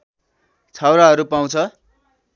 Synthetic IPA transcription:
t͡sʰawɾaɦʌɾupaw̃t͡sʰʌ

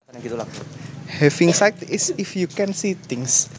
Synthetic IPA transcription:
ɡit̪ulahɛfɪŋsajt̪ɪsɪfjukɛnsit̪ɪ̃ŋs

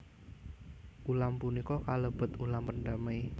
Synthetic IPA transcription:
ʔulampunikɔkaləb̥ə̤t̪ulampənɖamaj

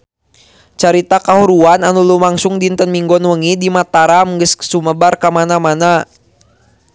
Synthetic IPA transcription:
t͡ʃaɾit̪akaɦuɾuananulumaŋsʊŋdint̪ənmiŋɡɔnwəŋidimat̪aɾamɡəssuməbarkamanamana

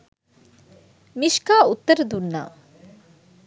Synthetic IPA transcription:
miʃkaːut̪ːəɾəd̪unːa̰ː

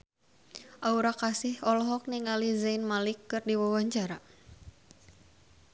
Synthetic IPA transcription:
ʔauɾakasɪhɔlɔɦɔk̚niŋalizainmalikːɨrdiwawaɲt͡ʃaɾa

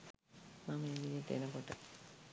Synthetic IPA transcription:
mameʋijet̪eḛnəkoʈə

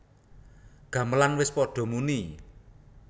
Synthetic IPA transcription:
ɡ̥ä̤məlanwɪspɔɖ̥ɔ̤muni

